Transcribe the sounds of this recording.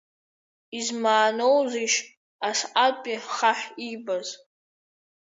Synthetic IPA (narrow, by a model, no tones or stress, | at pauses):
izmaːnowziʃ | asqʼapʼiχaħibaz